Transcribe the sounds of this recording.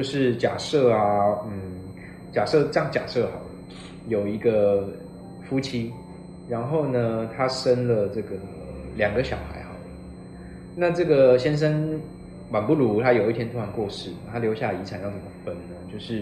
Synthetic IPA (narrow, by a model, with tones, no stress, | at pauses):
t͡ɕjo˥˧ʊʂɻ̩˥˩t͡ɕja̰˨˩sɤ˥˩a˨˩n̩˥˩ | t͡ɕja˨˩ʂɤ˥˩ʈ͡ʂə˥jŋt͡ɕja̰˨˩ʂɤ˥˩xɑ˨˩ʊdə˦ | jo˨˩ʊi˧˥ɡə˧ | fu˥t͡ɕʰi˥ | ɻa˧˥nxo˥˩ʊnə˩t̪ʰa˥ʂə˥nlə˨ʈ͡ʂɤ˥˩ɡə˩ | ljɑ˨˩ŋɡə˦ɕjɑ˨˩ʊxa̰˧˥ɪxɑ˨˩ʊlə˦ | na˥˧ʈ͡ʂɤ˥˩ɡə˨˩ɕjɛ˥nʂ̬ə˥n | wa˨˩npu˥˩lu˧˥t̪ʰa˦jo˨˩ʊi˥˩t̪ʰjɛ˥nʰu˥wa˧˥nkwɔ˥˧ʂɻ̩˥˩˨t̪ʰa˥ljo˧˥ʊɕja˥˩la˨˩i˧˥t͡sʰa˨˩njɑ˥˧˩t͡sə˧˩mə˧˩fə˧˩nnə˦t͡ɕjo˥˧ʊʂɻ̩˥˩